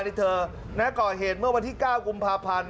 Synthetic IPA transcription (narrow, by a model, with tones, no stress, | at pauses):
ni˦˩t̪ʰɤː˧ | nɛ˦˥kɔː˨˩ɦeː˨˩t̪̚mɯ˥˩əwa˧nt̪ʰiː˥˩kaː˥˩wku˧mpʰaː˧pʰa˧n